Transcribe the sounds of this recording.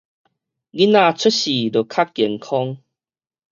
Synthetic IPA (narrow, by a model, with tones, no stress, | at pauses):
ɡi˦˥nã˥˧˨t͡sʰu˦t̚ɕi˨˩lə˨˩kʰa˦ki˨˩ŋkʰɔ˦ŋ